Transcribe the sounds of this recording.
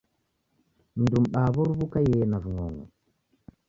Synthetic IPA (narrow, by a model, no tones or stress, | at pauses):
n̩dumɗaβuɾβukajenavuŋoŋṵ